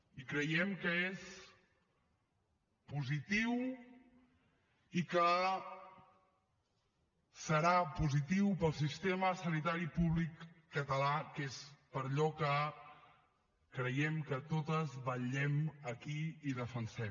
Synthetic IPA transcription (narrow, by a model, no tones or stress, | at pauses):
ikɾəjɛmkəes | puzit̪iw | ikə | səɾapuzit̪iwpəlˠsist̪eməsənit̪aɾipuβlikː | ət̪əlakespəɾʎɔkə | kɾəjɛmkət̪ot̪əzβəʎɛməkiiðəfənsɛm